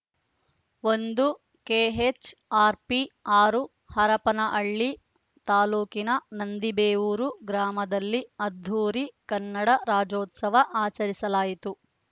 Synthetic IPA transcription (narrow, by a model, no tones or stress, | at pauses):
o̞nd̪u | keːɦet͡ʃaːɾpiaːɾu | hɐɾɐpɐnɐʔɐɭːi | t̪aːluːkinɐnɐnd̪ibeːʋuːɾuɡɾaːmɐd̪ɐlːiɐd̪ʱːuːɾikɐnːɐɽɐɾaːd͡ʒoːt̪sɐʋɐʔaːt͡ʃɐɾisɐlaːjit̪u